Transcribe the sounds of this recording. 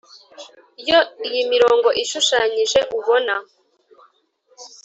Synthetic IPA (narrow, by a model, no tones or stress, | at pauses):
ijo̞ijimiɾo̞ːŋɡo̞ʔiʃuʃaːɲiʒe̞ʔuβo̞na